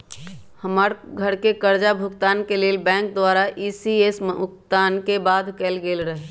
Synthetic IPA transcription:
həmaːɾɡʱəɾkekəɾd͡ʒabʱʊɡt̪aːnkeleːlbɛ̃ːŋk̚d̪waːɾaʔisiesʊkt̪aːnkebaːd̪ʱkɛːlɡeːlɾəɦe

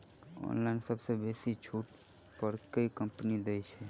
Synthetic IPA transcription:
o̰nlaɪnsəbsebesit͡ʃʰuːʈ | pəɾkəikəmpnid̪ejt͡ʃʰɛ

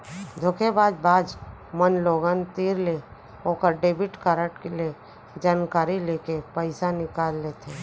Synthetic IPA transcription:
d̪ʱokʰebaːd͡ʒbaːd͡ʒmənloːɡənt̪iːɾle | oːkəɾɖeːbɪʈkaɾəʈkele | d͡ʒaːnkaːɾileːkepəɪsanɪkaːlːeːt̪ʰeː

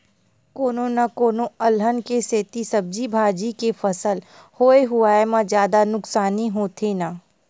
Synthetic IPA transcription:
koːnõnakoːnõɐlɦənkeseːt̪isɐb̚d͡ʒibʱaːd͡ʒikefɐsəl | hoːeɦʊaːemãzjaːd̪anʊksaːniɦoːt̪ʰenaː

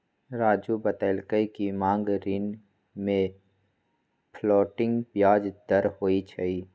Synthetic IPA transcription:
ɾaːd͡ʒubət̪əlkəikimãːŋɡɾiːn | mẽ | pʰlɔːʈɪ̃ŋɡpjaːd͡ʒd̪əɾhoːit͡ʃʰɐiː

